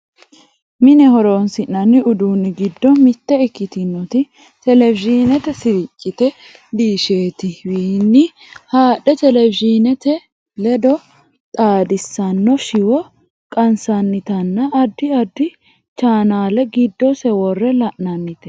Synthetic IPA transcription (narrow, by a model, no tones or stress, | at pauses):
mɪnɛhɔɾoːnsɪnːɐnːɪʊd̪uːnːɪɡɪd̪ːɔmɪt̪ːɛɛkːɪt̪ɪnːɔt̪ɪ | t̪ɛlɛvɪʒinɛt̪ɛsɪɾɪt͡ʃʼːɪt̪ɛ | d̪iːʃe̞ːt̪ɪwiːnːɪ | haːɗɛt̪ɛlɛvɪd͡ʒinɛt̪ɛ | lɛd̪ɔ | t̪ʼaːd̪ɪsːɐnːɔʃɪwɔ | kʼɐnsɐnːɪt̪ɐnːɐːd̪ːɪɐd̪ːɪ | t͡ʃaːnaːlɛɡɪd̪ːɔsɛwɔrːɛlɐʔnɐnːɪt̪ɛ̥